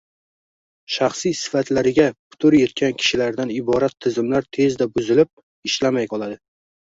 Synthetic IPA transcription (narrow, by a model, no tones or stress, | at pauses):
ʃaχsijsɪ̥fat̪ʰlaɾɪɡʲapʰʊ̥t̪ʰʊɾje̞t̪̚kʲankʲʰɪ̥ʃɪlaɾd̪anɪbɒɾat̪ʰːɪzɪmlaɾt̪ʰe̞zd̪abʊzɪlɪp̚ | ɪʃlamajqʰɒlˠad̪ɪ